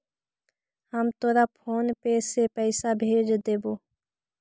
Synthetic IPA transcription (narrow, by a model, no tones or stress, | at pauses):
həmt̪oːɾapʰoːnpeːsepɛːsabʱeːd͡ʒd̪eːboː